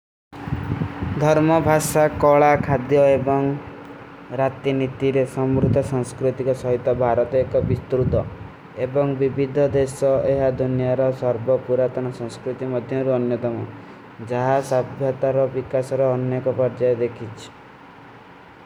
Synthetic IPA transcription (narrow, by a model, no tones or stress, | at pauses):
d̪ʱɔɾmɔbʱaʃakɔɭakʰad̪jɔebɔŋ | ɾat̪init̪iɾesɔmɾut̪ɔsɔŋskɾut̪ikɔsɔɦit̪ɔbʱaɾɔt̪ɔekɔbist̪ɾut̪ɔ | ebɔŋbibʱid̪ʱɔd̪esɔeɦad̪ʱunijaɾɔsɔɾbɔpuɾat̪ɔnɔsɔ̃ŋ̃skɾut̪imɔd̪ʱjɔɾuɔnjɔt̪ɔmɔ | d͡ʒaɦasabʱjɔt̪aɾɔbikasɔɾɔːnjɔkɔpɔɾd͡ʒajed̪ekʰit͡ʃʰi̥